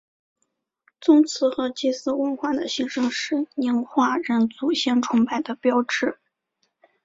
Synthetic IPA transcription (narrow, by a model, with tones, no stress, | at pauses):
t͡sʊ˥ŋt͡sʰɹ̩˧˥xɤ˧˥t͡ɕi˥˩sɹ̩˥wə˥nxwa˥˩d̪ə˩ɕi˧˥ŋʂɤ˥ŋʂɻ̩˥˩ni˧˥nxwa˥˩ɻə˥˩nt͡su˨˩ɕjɛ˥˩nʈ͡ʂʰʊ˧˥ŋpa˥˩ɪd̪ə˩pjɑ˥ʊʈ͡ʂɻ̩˥˩